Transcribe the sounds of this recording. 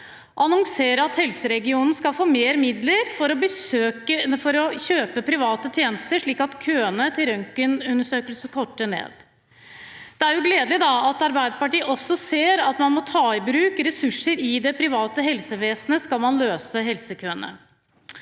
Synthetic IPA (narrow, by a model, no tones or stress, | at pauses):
ɔɑnʊŋseːɾəɑt̪hɛlsəɾɛɡɪuːnn̩skɑlfoːmeːɾmɪd̪ləɾfɔɾɔbəøːəfɔɾɔçøːpəpʰɾɪʋɑːt̪ət̪ʰjeːnəst̪əʂɭiːkɑt̪kʰøːənət̪ʰɪlœŋkənʉnəʂøːkəlsəkʰɔʈːənḛːd̪ | d̪̥ɛæɾjʊɡleːd̪lɪd̪ɑɑt̪ɑɾbæɪd̪əpɑʈiːəʔɔsːɔseːɾɑt̪mɑnmɔt̪ʰɑːɪbɾʉːkɾɛsʉʂːəɾɪd̪ɛpʰɾɪʋɑːt̪əɦɛlsəʋeːsnəskɑlmɑnløːsəɦɛlsəkʰøːənə̰